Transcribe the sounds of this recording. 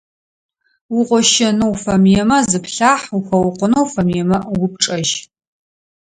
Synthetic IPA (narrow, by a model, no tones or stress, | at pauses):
wʊqʷʼɔʃɐnowfɐmjɛmɐzzɨpʰɬaːħuxʷɐwʊqʷʊnowfɐmjɛmɐwʊp̚ʈ͡ʂʼɐʒ